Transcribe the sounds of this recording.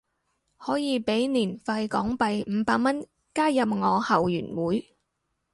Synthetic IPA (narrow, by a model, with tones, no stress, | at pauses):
hɔː˨˥jiː˨˧pe˨˥jniː˨˩nfaː˧jkɔː˨˥ŋpɐ˨jm̩ː˨˧paː˧k̚mɐ˥n | kaː˥jɐ˨p̚ŋɔː˨˧hɐ˨wjyː˨˩nwuː˨˥j